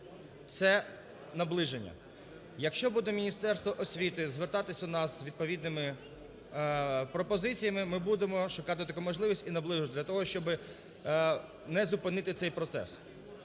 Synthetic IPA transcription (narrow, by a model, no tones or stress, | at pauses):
t̪sɛ | nɐblˠɪʒenʲːɐ̰ | jɐkʃt͡ʃɔbud̪ɛmʲinʲist̪ɛrst̪ʋɔʔɔsʲʋʲit̪ɪzʋert̪ɑt̪ɪsʲɐnɑzʋʲid̪̚pɔʋʲid̪nɪmɪ | pɾɔpɔzɪt͡sʲijɐmɪmɪbud̪emɔʃʊkɑt̪ɪt̪ɐkumɔʒlˠɪʋʲisʲtʲinɐblˠɪʒʊt̪dlʲɐt̪ɔɦɔʃt͡ʃɔbɪ | nɛzʊpɪnɪt̪ɪt̪sɛjpɾɔt̪sɛ̰s